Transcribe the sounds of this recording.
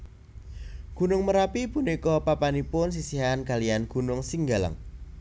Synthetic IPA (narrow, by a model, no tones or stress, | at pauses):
ɡ̥ṳnʊŋməɾapipunikɔpapanipʊns̬isiɦankalijanɡ̥ṳnʊŋsiŋɡala̰ŋ